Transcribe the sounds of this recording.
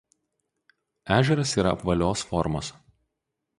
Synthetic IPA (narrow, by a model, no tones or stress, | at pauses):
æːʒʲɛɾɐsiːɾɐ̰ɐpʋɐlʲoːsfɔɾmo̰s